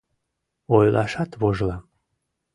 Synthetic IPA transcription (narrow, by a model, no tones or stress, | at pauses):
ojlʔɑʃɑt̪βoʒlɑ